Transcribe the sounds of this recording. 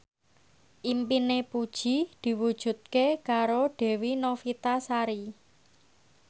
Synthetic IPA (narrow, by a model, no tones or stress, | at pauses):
ʔimpinepud̥ʒ̥i̤d̪̥i̤wud̥ʒ̥ṳt̪̚kekaɾoɖ̥ɛ̤winofit̪asaɾi